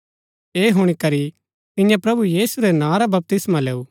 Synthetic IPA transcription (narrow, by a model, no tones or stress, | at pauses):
eːɦʊɽ̃ikɐɾi | t̪ɪ̃jãpɾɐbujiːsuɾɛnãːɾabɐp̚t̪ɪsmaleːuː